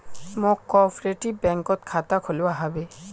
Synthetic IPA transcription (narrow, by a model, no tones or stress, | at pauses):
mʊkːɔpɹeʈibɛŋkɔt̪̚kʰat̪akʰolʊwaɦabe